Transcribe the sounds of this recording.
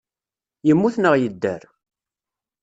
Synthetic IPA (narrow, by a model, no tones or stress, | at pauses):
jəmːuθnəʁjəd̪ːæɾ